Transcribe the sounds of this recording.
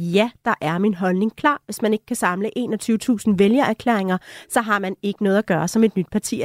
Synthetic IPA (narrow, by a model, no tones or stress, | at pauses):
jæd̥ɑ̈ʔæɐminɦɒ̽lne̝ŋkʰlɑ̰̈ːʋe̝smæne̝ɡ̥kʰæsɑ̈mləʔe̝ːnɒ̽t͡sʰyːʊət͡sʰṵːsn̩ʋeljɐæɐkʰlḛɐ̰eŋɐsɒ̽ɦɑ̈mæne̝ɡ̥ənɔ̽ːðˠæɡ̥ɶːɐsɒ̽me̝d̥nyd̥̚pʰɑ̈t͡sʰḭ